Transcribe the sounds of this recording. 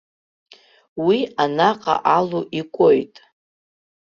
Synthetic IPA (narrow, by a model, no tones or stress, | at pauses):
wianaqʼa̰ʔaluʔikʷʼojtʼ